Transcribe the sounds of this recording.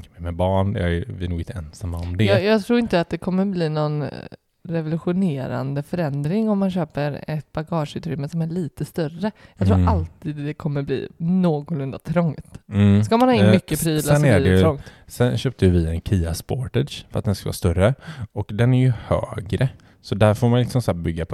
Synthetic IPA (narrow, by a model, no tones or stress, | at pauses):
kəmɛmɛbɑːɳd̪ɛævɪnuːɡɪnt̪əɛnsamːaɾɔmd̪ɛjjɑːt̪ʰɾuːɾɪnt̪əat̪̚d̪ɛkʰɔmːəbliːnɔn | ɾɛvʊlʉɧʊneːɾa̰nd̪əfœɾɛnd̪ɾɪŋɔmːanɕøːpəɾɛt̪̚b̥aɡɑːʂʉ̟ːt̪ʰɾʏmːəsɔmæɭiːt̪əst̪œrəjɑɡt̪ʰɾuːɾalt̪iːd̪d̪ɛkʰɔmːəblḭːnoːɡɔlɵnd̪a̰t̪ʰɾɔŋt̪ːskamanhɑːɪnmʏkːəpʰɾiːlaɛnæɛɾɔŋt̪sɛnɕøːp̚t̪əjəvɪɛnkʰiːaspɔʈɛʂfœɾa̰t̪̚ɛnskavɑ̰ːst̪œɾəɔkd̪ɛnæɾjɵhø̰ːɡɾə | sɔd̪æɾfoːmanlɪksɔmsæːɾbʏɡːapʰ